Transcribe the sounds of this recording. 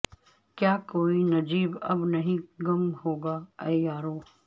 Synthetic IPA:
kjaːkoːinɐd͡ʒiːbɐ̰bnɐɦĩɡɐmhoːɡaːɐjaːɾoː

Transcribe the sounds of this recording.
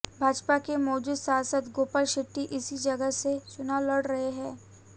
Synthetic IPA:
bʱaːd͡ʒpakemɔːd͡ʒuːd̪saːsət̪ɡoːpəɾʃɪʈːiʔɪsid͡ʒɐɡəset͡ʃʊnalɐɽɾɐɦeɦɛ̃ː

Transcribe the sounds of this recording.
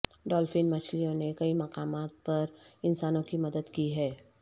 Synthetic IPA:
ɖɔːlfɪnmɐt͡ʃʰlijõnekɐimɐqaːmaːt̪̚pɐɾɪnsaːnõkimɐd̪əd̪kiɦɛː

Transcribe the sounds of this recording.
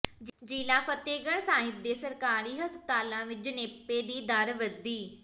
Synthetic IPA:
d͡ʒd͡ʒiːlaːpʰət̪eːɡəɳsaːɦɪb̚d̪eːsəɾkaːɾiːɦəspət̪aːlãːʋɪt͡ʃneːpːeːd̪iːd̪əɾʋəd̪iː

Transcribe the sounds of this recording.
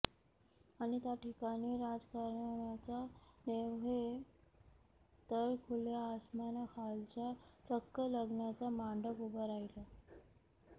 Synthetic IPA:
aɽ̃it̪jaʈikañiːɾad͡zkaɾɳɳjat͡saneʋɦe | t̪əjkʰuljaːsmanakʰalt͡ɕat͡səkːələɡɳjat͡samaɳɖəkubəɾaila

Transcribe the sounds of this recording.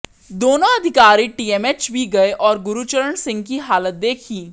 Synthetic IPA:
d̪oːnõɐd̪ʱɪkaːɾiʈiːeːmet͡ʃbʱiɡɐeʔɔːɾɡʊɾut͡ʃəɾəɳsɪ̃ŋɡkiɦaːlət̪̚d̪eːkʰiː

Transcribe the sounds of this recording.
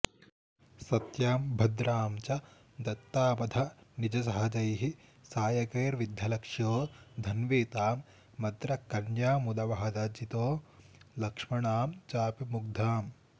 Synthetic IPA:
sɐt̪jaːmbʱɐd̪ɾaːmt͡ʃɐ | d̪ɐt̪ːaːpɐd̪ʱɐnid͡ʒɐsɐɦɐd͡ʒɐjɦi | saːjɐkeːɾʋid̪ʱɐlɐkʂjoːd̪ʱɐnʋeːt̪aːmː | ɐd̪ɾɐkɐnjaːmud̪ɐʋɐɦɐd̪ɐd͡ʒit̪oː | lɐkʂmɐɳaːmt͡ʃaːpimuɡ̚d̪ʱaːm

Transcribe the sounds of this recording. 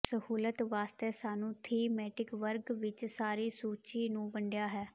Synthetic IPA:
səhuːlət̪ʋaːst̪ɛːsaːnũːt̪ʰiːmɛːʈɪkʋəɾɡʋɪt͡ʃsaːɾiːsuːt͡ʃiːnũːbəɳɖɪjaːɦɛː

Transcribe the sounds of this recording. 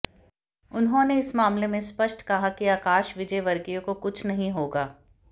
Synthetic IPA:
ʊnɦõneɪsmaːmlemẽspɐʃʈkɐɦakiaːkaːʃʋɪd͡ʒəjʋɐɾɡijõkokʊt͡ʃʰnɐɦĩɦoːɡaː

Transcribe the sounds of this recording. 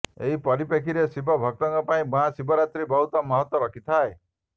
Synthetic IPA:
eɦipɔɾipekʰiɾesibɔbʱɔk̚t̪ɔŋkɔpaĩbuɦãsibɔɾat̪ɾibɔɦut̪ɔmɔɦɔt̪wɔɾɔkʰit̪ʰae

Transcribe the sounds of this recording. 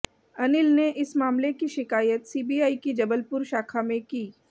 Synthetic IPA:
ɐnɪlneʔɪsmaːmlekiʃɪkaːjət̪siːbiːaːikid͡ʒɐbəlpʊɾʃaːkʰamẽkiː

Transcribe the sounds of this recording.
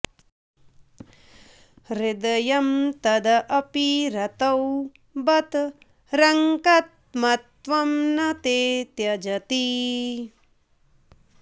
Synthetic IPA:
ɾɪd̪ɐjɐmt̪ɐd̪ɐʔɐpiɾɐt̪ɐw | bɐt̪ | ɾɐŋkɐt̪̚ | mɐt̪ʋɐmnɐt̪eːt̪jɐd͡ʒɐt̪i

